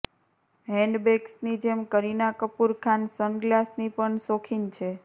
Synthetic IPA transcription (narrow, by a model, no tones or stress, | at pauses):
ɦɛ̃ɳɖbeɡsnid͡ʒemkəɾinakəpuɾkʰansənɡlasnipəɳsokʰint͡ʃʰe